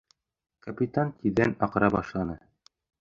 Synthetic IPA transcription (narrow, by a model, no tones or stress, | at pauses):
kɐpʲit̪ant̪ʲiðænɑqɾɑbɑʃlˠɑnɤ